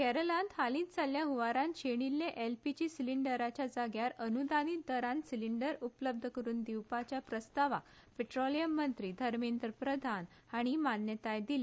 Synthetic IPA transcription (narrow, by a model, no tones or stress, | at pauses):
kɛɾəlãnt̪ɦalĩt̪d͡zaljaɦuʋaɾãnɕeɽ̃ilːeʔelpit͡ɕisiliɳɖəɾat͡ɕjad͡zaɡjaɾənud̪anid̪əɾãnsiliɳɖəɾupləb̚d̪ʱəkəɾuːnd̪iwpat͡ɕjapɾəst̪aʋa̰ | peʈɾolijəmːənt̪ɾiːd̪ʱəɾmind̪ɾəpɾəd̪ʱan | aɽ̃imanjət̪ajd̪ile